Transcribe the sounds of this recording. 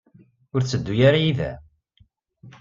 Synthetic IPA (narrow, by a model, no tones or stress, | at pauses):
ʊɾt͡sːəd̪ːujaɾajiðæ̰